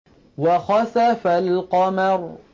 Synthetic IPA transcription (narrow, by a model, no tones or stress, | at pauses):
waxɑθafalqɑmɑɾ